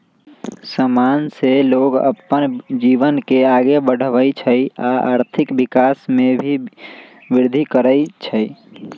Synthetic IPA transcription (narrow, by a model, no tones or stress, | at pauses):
səmanseloɡə̰pːənd͡ʒiʋənkeaɡebəɽ̤əʋəjt͡ʃʰəjaa̰ɾt̪ʰikbikasmebʱi | biɾd̪ʱikəɾəjt͡ʃʰəj